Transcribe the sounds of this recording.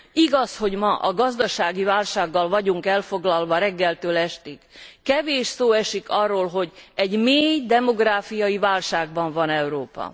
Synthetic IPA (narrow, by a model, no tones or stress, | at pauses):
iɡɒsho̞ɟmɒʔɒɡɒzd̪ɒʃaːɡivaːlʃaːɡːɒlvɒɟuŋkɛlfo̞ɡlɒlvɒɾɛɡːɛlt̪øːlɛʃt̪ikːɛveːʃsoːɛʃikɒrːoːlɦo̞ɟɛɟmeːjd̪ɛmo̞ɡraːfijɒivaːlʃaːɡ̚bɒɱvɒnɛwɾoːpɒ̰